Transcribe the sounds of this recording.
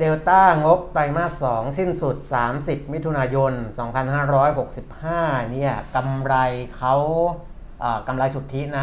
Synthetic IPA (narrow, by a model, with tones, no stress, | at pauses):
deː˧wt̪aː˥˩ŋo˦˥p̚t̪a˧jmaː˥˩k̚sɔː˩˦ŋsi˥˩nsu˨˩t̪̚saː˩˦msi˨˩p̚mi˦˥t̪ʰu˧naː˧jo˧nsɔː˩˦ŋpʰa˧nhaː˥˩ɾɔː˦˥jɦo˨˩k̚si˨˩p̚haː˥˩ni˥˩ɐka˧mɾa˧jkʰa˦˥w | ʔaː˨˩ka˧mɾa˧jsu˨˩t̪ʰːi˦˥na˦˥